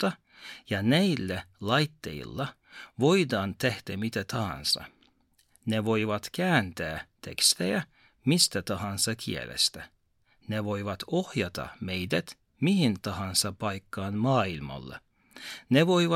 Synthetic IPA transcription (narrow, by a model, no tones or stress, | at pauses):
t̪ːɑ | jɑnæjlːælɑjt̪ːḛḭlːɑ | ʋo̞jd̪ɑːnt̪ehd̪̥æmit̪æt̪ʰɑhɑ̰nsɑ̰ | neʋo̞jʋɑt̪kæːnt̪æːt̪ʰe̞̰kst̪ejæ | mist̪æt̪ɑɦɑnsɑkʰḭḛlḛst̪æ | neʋo̞jʋɑt̪o̞hjɑt̪ɑ̰me̞jd̪æt̪ | mihint̪ɑɦɑnsɑpɑjkːɑːnmɑːilmɑ̰lːḛ | neʋo̞jʋɑ